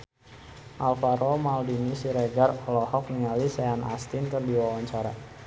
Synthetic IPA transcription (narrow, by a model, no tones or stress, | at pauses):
ʔalfaɾomaldinisiɾeɡarɔlɔhɔk̚niŋalisɛana̰st̪inkərdiwawaɲt͡ʃaɾa